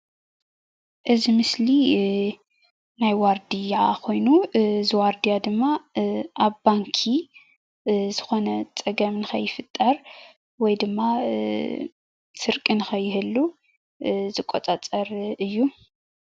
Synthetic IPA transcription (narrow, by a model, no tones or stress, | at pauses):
ʔɨzimɨsli | najwaɾd̪ijakʰo̞jnuzɨwaɾd̪ijad̪ɨmːaʔaβbaŋkʰi | zɨxo̞nɐt͡sʼɐɡɐmnɨxʰɐjːɪfɨt̪ʼːɐɾ | wɔjd̪ɨmːa | sɨɾkʼɨnɨxʰɐjːɪhɨlːu | zɨkʼot͡sʼat͡sʼɐɾɨjːu